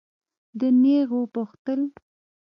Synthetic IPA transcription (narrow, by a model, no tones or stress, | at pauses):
d̪əneɣopəxt̪əl